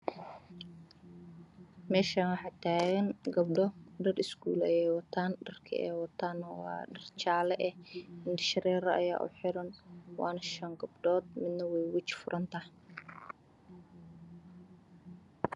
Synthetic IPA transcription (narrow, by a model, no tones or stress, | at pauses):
mɛːʃanwɑħɑt̪ʰaːɣɐŋɡɐb̚ɖɔɖɐrɪskṵːlɐjɛːjwɐt̪ʰaːnɖɐrkʰɐ̰ɛ̰jwɐt̪ʰaːnːɐwɑ̰ːɖɐrt͡ʃaːlɛʔɛhɪnd̪ɪʃɐɾɛːɾɐɐ̰ja̰ːʔʊ̰ħɪɾɐnwɑ̰ːnɐʃɐŋɡɐb̚ɖɔːd̪̚mɪd̪nɐwɛjwɪt͡ʃfʊɾʔɐnt̪ʰɐhɛ